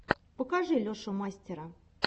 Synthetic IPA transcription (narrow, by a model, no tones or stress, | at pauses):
pəkaʐɨlʲoʂomasʲtʲɪɾə